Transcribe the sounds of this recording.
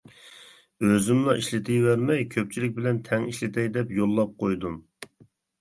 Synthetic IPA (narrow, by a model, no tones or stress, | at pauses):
øzɪmlˠɑʔiʃlɪt̪ʰɪjvæɾmɛjkʲʰøp̚t͡ʃʰilɪk̚ʲbɪlɛnt̪ʰɛŋiʃlɪt̪ʰɛjd̪ɛpjolˠːɑp̚qʰojd̪um